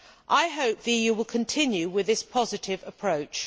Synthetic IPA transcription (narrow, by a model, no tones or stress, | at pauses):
ʔaɪɦəʊp̚ðijʉwɪlˠkʰə̃ntʰɪ̃njʉwɪðɪspʰɒzɪtʰɪvəpʰɹ̥əʊt͡ʃ